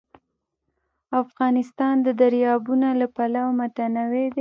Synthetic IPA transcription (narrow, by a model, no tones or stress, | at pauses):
afɣɑnɪst̪ɑnd̪əd̪aɾjɑbunalapalawmat̪anawed̪e